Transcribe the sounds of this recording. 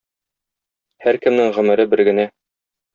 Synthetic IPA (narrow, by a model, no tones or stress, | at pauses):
hæɾkɘ̆mnɘŋʁɵ̆mɘ̆ɾɘbɘɾɡɘ̆næ